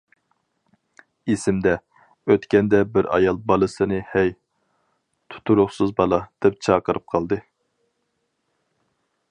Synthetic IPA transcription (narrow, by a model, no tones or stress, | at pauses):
esɪmd̪ɛ | øt̪kʲɛnd̪ɛbɪɾɑ̰jɑlˠbɑlˠɨsɨnɨhɛj | t̪ʰu̥t̪ʰuɾʊχsɨzbɑlˠɑd̪̥ɛp̚t͡ʃʰɑːqəɾɨp̚qʰɑlˠd̪ɨ